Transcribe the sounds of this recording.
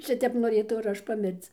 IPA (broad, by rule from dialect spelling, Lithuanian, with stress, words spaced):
ˈʃʲɪtʲɛp noːˈrʲeːtɐʊ ɪr ˈɐʃ pɐˈmʲɪrt͡s